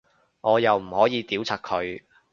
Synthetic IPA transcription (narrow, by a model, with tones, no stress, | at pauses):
ŋɔː˨˧jɐ˨wm̩˨˩hɔː˨˥jiː˨˧t̪iː˨˥wt͡sʰaː˨˩t̚kʰɵ˨˧ɥ